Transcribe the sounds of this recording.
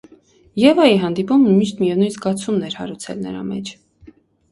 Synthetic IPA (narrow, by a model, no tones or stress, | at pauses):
jɛvɑjiɦɑnd̪ipummiʃt̪mijɛvnujnzɡɑt͡sʰumnɛɾhɑ̰ɾut͡sʰɛ̰lnə̰ɾɑ̰mɛ̰t͡ʃʰ